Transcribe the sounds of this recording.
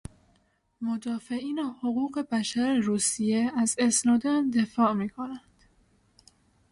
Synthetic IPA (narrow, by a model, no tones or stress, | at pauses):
mod̪ɒːfe̞ʔiːnehoɣuːɣe̞bæʃæɾeɾuːsijeæzesnɒːd̪ɒnd̪e̞fɒːmiːkʰo̞nænd̪̥